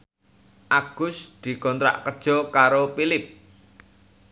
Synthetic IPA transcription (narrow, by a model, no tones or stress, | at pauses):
ʔaɡ̥ʊ̤sd̪̥i̤kɔnt̪ɾa̰ʔkərd̥ʒ̥ɔ̤kaɾopilɪp̚